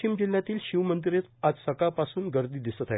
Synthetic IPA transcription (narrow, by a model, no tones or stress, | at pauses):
imd͡ʑil̤ːjat̪iːlɕiʋmənd̪iɾet̪ad͡zsəkapasuːnɡəɾd̪iːd̪isət̪ae